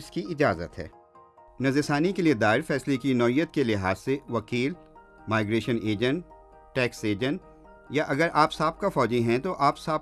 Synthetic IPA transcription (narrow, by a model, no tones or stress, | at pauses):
ɪskiɪd͡ʒaːzə̰t̪ɦɛ̰ː | nɐzɪsaːnikelied̪aːɪɾfɛːslekinɔːijət̪̚kelɪɦaːzseʋɐkiːl | maːɪɡɾeːʃəneːd͡ʒə̃ɳʈː | ʈɛːkseːd͡ʒə̃nʈ | jaʔɐɡəɾaːpsaːb̚kafɔːd͡ʒẽɦɛ̃t̪oʔaːpsaːb